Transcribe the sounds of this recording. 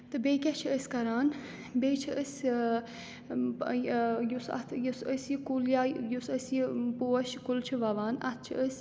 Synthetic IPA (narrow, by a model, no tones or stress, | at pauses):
t̪ɨbejkʲɛt͡ʃʰiəsʲkɐɾaːn | bejt͡ʃʰiəsʲ | jjusɐ̰t̪ʰjusəsjikuljaːjusəsjipuɐʃkult͡ʃʰiʋɐʋaːnɐ̰t̪̚ʰt͡ʃʰiʔəsʲ